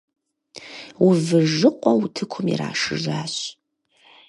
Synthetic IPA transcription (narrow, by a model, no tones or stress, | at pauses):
wʊvɨʒɨqʷʼɔwtʰɨkʷʰʊmjḭra̰ːʂɨʒaːɕ